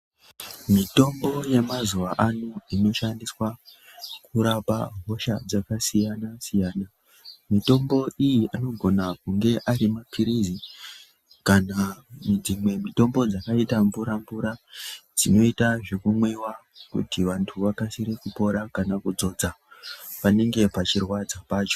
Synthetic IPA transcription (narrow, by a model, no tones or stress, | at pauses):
mito̞mbo̞je̞mazuʋaʔanuino̞ʃandiswa | kuɾapa̰ɦo̞ʃad͡zakasijanasijaːna | mito̞mbo̞ʔijiʔano̞ɡʱo̞nakuŋɡe̞ʔaɾimapʰiɾizi | kanad͡zimwe̞mito̞mbo̞d͡zakaitaɱvuɾamvuɾad͡zino̞itaʐekumwewa | kṵtiʋantʰuʋakasiɾekupo̞ɾakanakud͡zo̞d͡za | pane̞ŋɡe̞pat͡ʃirwad͡zapaːt͡ʃo̞̥